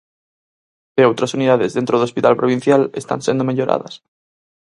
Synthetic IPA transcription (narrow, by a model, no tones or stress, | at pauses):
eowt̪ɾasuniðaðezðent̪ɾoðospit̪a̰lpɾoβ̞in̟θjalest̪a̰nsend̪omeʎoɾʔa̰ðɐ̰s